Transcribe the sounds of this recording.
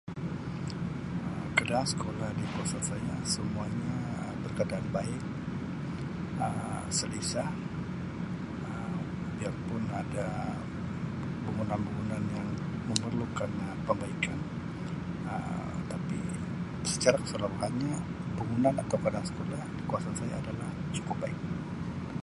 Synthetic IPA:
əmkədaaŋsə̥kolahdikuasasaɲasəmuaɲa | bərkadaʔanbaɪk̚ | əm | səlisa | ə | biaŋpʊnada | bəŋunanbəŋunanjaŋ | məmərlukan | pəmbaikan | ə̰ | t̪apḭ | sə̥t͡ʃaɾakə̥səlaɾuɦanɲa | bəŋunanat̪awkadaŋsə̥kolahdikuasansajaːdalaht͡ʃu̥kʊp̚baɪk̚

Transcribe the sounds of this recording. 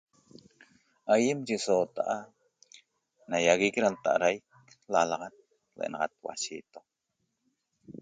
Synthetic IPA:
ajemt͡ʃisoːt̪aʔa | najaɣikɾalt̪a̰ʔaɾajk | lalɑʁɑt̪̚ | lḛʔḛnɑʁɑ̰t̪̚wa̰ʃit̪o

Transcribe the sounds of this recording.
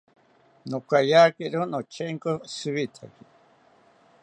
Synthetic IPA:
nokajaːkeɾunot͡ʃʰeŋkosɨβit̪ʰaki

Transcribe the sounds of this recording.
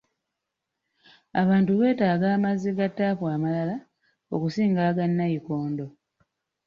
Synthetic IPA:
aβaːntuβe̞ːtaːɡaːmaziɡatːaːfwaːmalala | o̞̰kusiːŋɡaːɡanːajikoːndo̞

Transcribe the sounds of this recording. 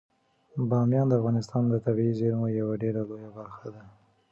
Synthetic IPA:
bɑmjɑnd̪əafɣɑnɪst̪ɑnd̪ət̪abiizeɾmojawaɖeɾalojabaɾxad̪a

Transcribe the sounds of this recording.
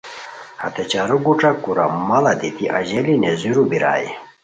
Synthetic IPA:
hɐ̰t̪et͡ɕaɾuɡuʈ͡ʂakuɾa̰mɐlɐd̪it̪iʔaʑelineziɾubiɾa̰ːjḭ

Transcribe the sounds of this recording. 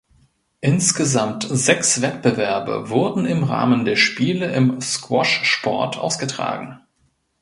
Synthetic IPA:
ʔɪnsɡ̥əzamtz̥ɛksv̥ɛt̚b̥əvɛɐbɐ̰vʊɐdn̩ɪmʁa̰ːməndeːɐʃpiːləɪmskwɔʃʃpɔ̰ɐtʰʔa̰ʊsɡ̥ətʁ̥a̰ːɡŋ̩

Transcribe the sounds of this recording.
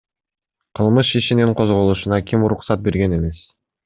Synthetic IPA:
qʰɯlˠmɯʃiʃiniɴqʰozʁo̞lˠuʃunɑkʲimuɾuqsɑt̪̚be̞ɾɡe̞ne̞me̞s

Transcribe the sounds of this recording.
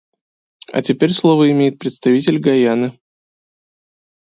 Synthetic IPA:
ɐ̰tʲɪpʲeɾʲslˠovəɪmʲejɪt̪̚pɾʲɪt̪st̪ɐvʲitʲɪlʲɡɐjanɨ

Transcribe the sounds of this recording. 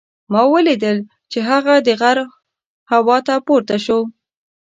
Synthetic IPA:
mɑwəlid̪əl | t͡ʃeɦaɣad̪əɣaɾ | hawɑt̪apoɾt̪aʃo

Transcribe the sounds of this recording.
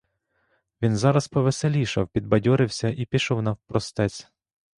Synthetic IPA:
ʋʲinzɑɾɐspɔʋeselʲiʃɐwpʲid̪̚bɐdʲɔɾɪwsʲɐʔipʲiʃɔwnɐwpɾɔst̪ɛt͡sʲ

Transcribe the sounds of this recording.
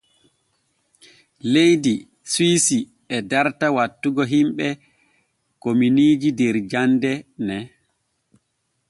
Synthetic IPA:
lejdi | swisi | ɛdaɾtawatːuɡɔɦimɓɛ | kominiːd͡ʒidɛɾd͡ʒandɛnɛ

